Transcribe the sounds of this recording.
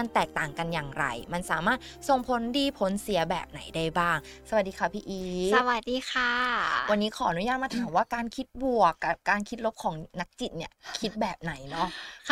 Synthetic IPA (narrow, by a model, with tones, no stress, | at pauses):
a˧nt̪ɛː˨˩k̚t̪aː˨˩ŋka˧njaː˨˩ŋɾa̰˧jma˧nsaː˩˦maː˥˩t̪̚so˨˩ŋpʰo˨˦ndiː˧pʰo˨˦nsi˩˦ɐbɛː˨˩p̚na̰˩˦jdaː˥˩jbaː˥˩ŋ | sa˧w̪̚diː˧kʰa˦˥˩pʰiː˧ʔiː˧swa˨˩t̪̚diː˧kʰaː˧˩wa˧nːiː˦˥kʰɔː˩˦ʔa˧nu˦˥jaː˥˩t̪ma˧aː˨˩˦mwaː˥˩kaː˧nkʰi˦˥t̪̚bu˨˩əkːa˨˩p̚kaː˧nkʰi˦˥t̪̚lo˦˥p̚kʰɔː˩˦ŋna˦˥k̚t͡ɕi˨˩t̪̚ni˧˥˩ɐkʰi˦˥t̪̚bɛː˨˩p̚na˩˦jnɔ˦˥